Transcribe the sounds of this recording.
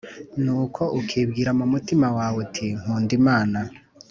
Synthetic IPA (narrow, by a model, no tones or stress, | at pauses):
nuːkʰo̞ʔukʰiːbɡiːɾamumutimawaːwetʰiŋ̥uːndimaːna